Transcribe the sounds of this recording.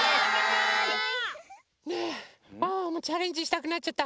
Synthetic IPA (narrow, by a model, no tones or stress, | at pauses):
ne | amot͡ɕaɾeɲd͡ʑiɕi̥t̪akɯ̟nat͡ɕ̚t͡ɕat̪ːa